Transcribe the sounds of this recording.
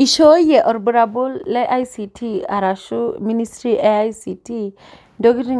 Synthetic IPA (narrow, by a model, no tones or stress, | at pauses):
iʃɔjeʔɔɾbɯɾabulːeʔajsitʰiaɾaʃuministɾiʔeajsitʰi | dɔɡiɾi